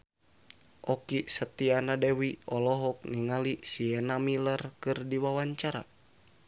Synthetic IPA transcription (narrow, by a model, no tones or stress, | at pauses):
ʔɔkisət̪ianadewiɔlɔɦɔk̚niŋalisiɛnamilərkɨrdiwawaɲt͡ʃaɾa̰